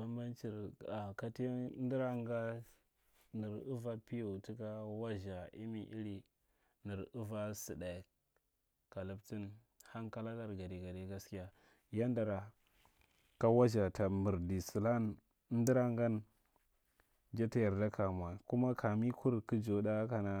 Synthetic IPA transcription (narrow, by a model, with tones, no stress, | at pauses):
a˦ma˦nt͡ʃi˨ɾa˨ka˦ti˦di˦ɾa˦ŋɡa˦ | ni˨ɾu˦va˦pi˦jo˨ti˦ka˦wa˦ʒa˨ʔḭ˦mi˨ʔḭ˦ɾi˨ | ni˨ɾu˦va˦si˨da˨ | ka˨lu˨bti˦n | ha˦ŋka˦la˦la˦ɾɡa˨di˨ɡa˨de˦ɡa˦ski˦ja˦ | ja˦n˦da˨ɾa˨ | ka˦wa˦ʒa˨ta˨mu˨ɾdi˨si˨la˦n˦ | di˦ɾa˦ŋɡa˦n | d͡ʒa˦ta˦ja˨ɾda˦ka˨m˨a˨ku˦ma˦kʰa˨mi˦kʰu˦ɾku˦d͡ʒo˨da˦ka˨na˦